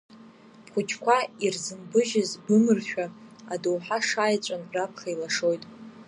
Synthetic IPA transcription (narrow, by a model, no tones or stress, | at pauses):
pχʷʊt͡ʃʰkʷʰairzɨmbɨʒɪzbɨmɨrʃᶣaadowħaʂaːjt͡ʃʷʼanrapʰχailaʂo̞jtʼ